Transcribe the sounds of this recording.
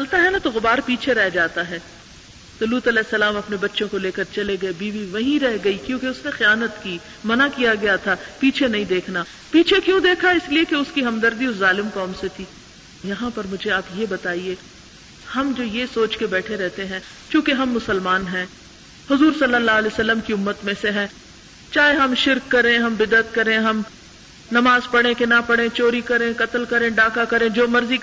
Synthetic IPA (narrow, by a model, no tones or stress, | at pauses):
t͡ʃɐlt̪aɦɛnat̪oɣʊbaːɾpiːt͡ʃʰeɾɛɦd͡ʒaːt̪aɦɛː | t̪ʊluːt̪ɐlɛːsːɐlaːmɐpnebɐtːʃõkoleːkɐɾt͡ʃɐleɡɐebiːʋiʋɐɦĩɾɛɦɡɐikjõːkeʊsnexɪjaːnət̪kiː | mɐnakijaɡɐjat̪ʰapiːt͡ʃʰenɐɦĩd̪eːkʰnaː | piːt͡ʃʰekjũd̪eːkʰaɪsliekeʊskiɦɐmd̪ɐɾd̪iʊszaːlɪmkɔːmset̪ʰiː | jɐɦãpɐɾmʊd͡ʒʱeaːpjebɐt̪aːieː | hɐmd͡ʒoːjesoːt͡ʃkebɛːʈʰeɾɛɦt̪eɦɛ̃ː | kjũːkeɦɐmːʊsəlmaːnɦɛ̃ː | hʊzuːɾsɐlːəlːaːɦlesɐlːəmkiʊmːət̪mẽseɦɛ̃ː | t͡ʃaːɦeɦɐmʃɪɾkːɐɾẽɦɐmbɪd̪ət̪̚kɐɾẽɦɐm | nɐmaːzpɐɽnẽkenapɐɽẽt͡ʃoːɾikɐɾẽkɐt̪əlkɐɾẽɖaːkakɐɾẽd͡ʒoːmɐɾzi